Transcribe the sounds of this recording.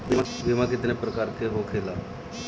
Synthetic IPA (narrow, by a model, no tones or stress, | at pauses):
bi | bimãkɪt̪nepɾəkaːɾkeɦokʰeːlaː